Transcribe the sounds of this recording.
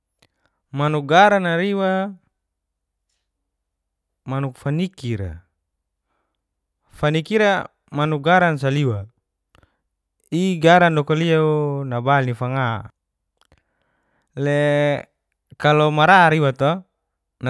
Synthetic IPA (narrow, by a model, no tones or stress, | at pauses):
manuk̚ɡaɾanaɾiwa | manuk̚fanikiɾa̰ | fanikiɾa | manuk̚ɡaɾans̬aliwa | iɡaɾandɔkɔliaunabalnifaŋa | lɛ | kalɔmaɾaɾiwat̪ɔ | na